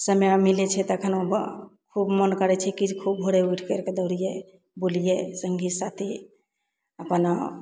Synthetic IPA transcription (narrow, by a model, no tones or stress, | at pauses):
səmjmilɛt͡ʃʰɛt̪əkʰənobkʰubmənkəɾɛt͡ʃʰɛkid͡ʒkʰub̚bʱoɽeujʈʰkeɾked̪əɾije | bulijesəŋɡʱisat̪ʰi | əpən